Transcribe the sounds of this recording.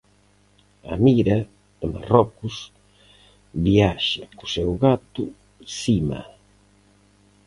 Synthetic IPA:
a̰miɾɐ | ɪma̰rɔkʊs | βiaʃɐkʊsewɣat̪ʊ | simɐ̰

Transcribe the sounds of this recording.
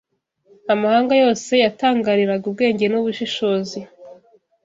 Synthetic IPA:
amahaːŋɡajo̞ːse̞jataːŋɡaɾiɾaɡubɡe̞ːɲɟe̞nuβuʃiʃo̞ːzi

